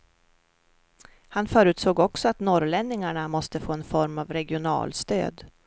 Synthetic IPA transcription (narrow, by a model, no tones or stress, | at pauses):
hanfœːɾʉ̟ːt̪soːɡɔksɔat̪nɔɾɭɛnːɪŋaɳamɔst̪əfoːɛnfɔɾmavɾɛɡɪʊnɑ̰ːlst̪ø̰ːd̪